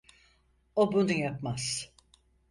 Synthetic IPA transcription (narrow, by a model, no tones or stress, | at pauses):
obunujapmaz̥